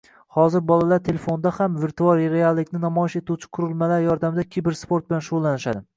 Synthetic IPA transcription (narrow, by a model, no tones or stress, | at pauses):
hɒzɪɾbɒlˠalaɾt̪ʰe̞lefo̞nd̪ahamveɾt̪ʰuaɾɾealˠːɪkʲnɪnamɒjɪʃet̪uwt͡ʃʰɪ̥qʰʊɾɪlmalaɾjɒɾd̪amɪd̪akʲʰibɪɾspʰo̞ɾt̪̚bɪlanʃoʁlˠanɪʃad̪ɪ